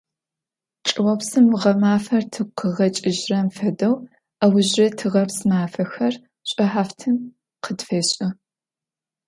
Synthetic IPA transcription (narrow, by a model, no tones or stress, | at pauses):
ʈ͡ʂʼɨwɐpsɨmʁɐmaːfɐrtʰɨqʰəʁɐt͡ʃʼɪʒrɐmfɐdɐw | ɐwʊʑɐtʰɨʁɐpsmaːfɐxɐr | ɕʷʼɐħaːftʰɨm | qʰədfeːɕʼɐ